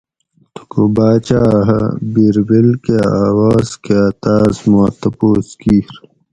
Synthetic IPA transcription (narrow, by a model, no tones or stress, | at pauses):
t̪ʰu̥kubaːt͡ɕaːɦɐ̰biːɾbilkeaːwaːzkeɐt̪aːzmot̪ɐpoːskiːɾ